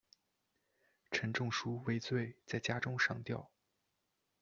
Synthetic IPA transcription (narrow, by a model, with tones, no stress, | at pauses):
ʈ͡ʂʰə˧˥nʈ͡ʂʊ˥˧ŋʂu˥we˥ɪt͡swe˥˩ɪt͡sa˥˩ɪt͡ɕja˥ʈ͡ʂʊ˥ŋʂɑ˧˥ŋt̪jɑ˥˩ʊ